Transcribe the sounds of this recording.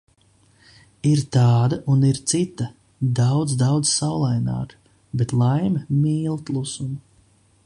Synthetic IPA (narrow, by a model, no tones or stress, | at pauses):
iɾt̪aːd̪aʔuniɾt̪sit̪ɐ | d̪awd̪zd̪awd̪zsawlˠajna̰ːk | bet̪lˠajmʲɐmiːlˠt̪lˠusumu